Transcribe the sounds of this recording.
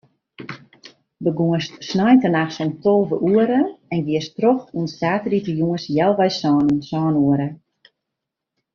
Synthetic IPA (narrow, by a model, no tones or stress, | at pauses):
bəɡuəstsnajtənaxsontʰolˠvəʔuəɾəɛnʋiəstroxuənsaːtritəjuŋəsjɛlˠʋɛjsɔːnənsɔːnuəɾə